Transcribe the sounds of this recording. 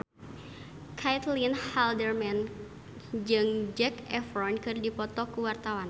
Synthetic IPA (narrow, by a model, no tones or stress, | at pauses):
kʰajt̪linhaldərmɛn | d͡ʒɨŋd͡ʒɛkɛfɾɔnkɨrdipɔt̪ɔkuwart̪awan